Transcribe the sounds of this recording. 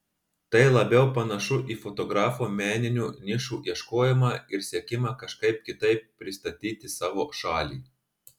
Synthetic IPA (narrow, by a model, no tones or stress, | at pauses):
t̪ɐɪlˠɐbʲɛʊpɐnɐʃʊʔiːfɔt̪ɔɡɾɑːfoːmʲæːnʲɪnʲuːnʲɪʃuːʔiɛʃkoːjɪmɑɪɾsʲiɛkʲɪmɑkɐʃkɐɪp̚kʲɪt̪ɐɪpːʲɾʲɪst̪ɐt̪ʲiːt̪ʲɪsɑːʋoːʃɑːlʲḭː